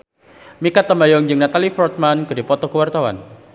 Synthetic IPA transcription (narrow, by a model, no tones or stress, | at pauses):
mikat̪ːamajɔŋd͡ʒɨŋnat̪alifɔrt̪̚mankɨdipɔt̪ɔkəwart̪awa̰n